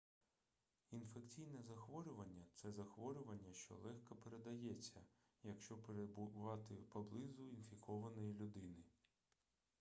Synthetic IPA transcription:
infekt͡sʲijnɛzɐxʋɔɾʲʊʋɐnʲːɐt̪sɛzɐxʋɔɾʲʊʋɐnʲːɐʃt͡ʃɔ̰lˠɛxkɐpeɾed̪ɐjɛt͡sʲːɐ | jɐkʃt͡ʃɔpɾeʋɑt̪ɪpɐblˠɪzʊinfʲikɔʋɐnɔjilʲʊd̪ɪnɪ

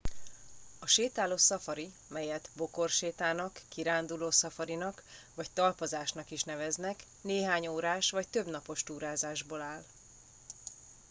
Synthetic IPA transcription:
ɒʃeːt̪aːloːsɒfɒɾi | mɛjɛt̪bo̞ko̞rʃeːt̪aːnɒkːiɾaːnd̪uloːsɒfɒɾinɒkʋɒct̪ɒlpɒzaːʃnɒkiʃnɛvɛznɛk | neːɦaːɲoːɾaːʃʋɒct̪ø̞bnɒpo̞ʃt̪uːɾaːzaːʒboːlaːl

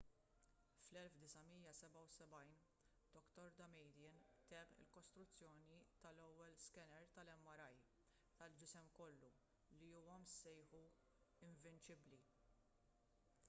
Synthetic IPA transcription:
flɛlfd̪ɪsɐmiːjɐsɛbɐwsɛbɐjn | d̪̥ɔkt̪ɔɾd̪ɐmɛjd̪jɪnt̪ɛpɪ̰lkɔst̪ɾʊt͡sːjɔːnit̪ɐlɔwːɛlskɛnɛɾt̪ɐlɛmːɐɾɐj | t̪ɐld͡ʒɪsɛmkɔlːu | liuːwɐmsɛjħu | ɪɱvɪnt͡ʃɪbli

